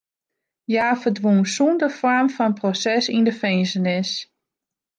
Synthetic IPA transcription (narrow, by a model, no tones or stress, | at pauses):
jaːfəɹdʋunsundəfɔɹmfɔnprosɛsindəfɛjnsənɪs